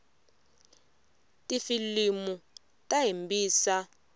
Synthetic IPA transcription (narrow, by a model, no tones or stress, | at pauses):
tʼifilimu | tʼaɦimbʱiːsa